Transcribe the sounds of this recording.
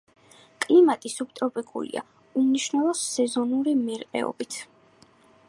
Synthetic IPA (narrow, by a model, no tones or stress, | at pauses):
kʼlimat̪ʼisup̚ʰt̪ʼɔpʼikʼṵlḭa̰ | umniʃnɛlˠɔsɛzɔnuɾimɛɾqʼɛ̰ɔ̰bit̪ʰ